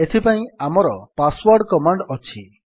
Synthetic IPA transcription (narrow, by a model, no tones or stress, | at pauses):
et̪ʰipaĩamɔɾɔpaswɔɾɖkɔmaɳɖɔt͡ʃʰi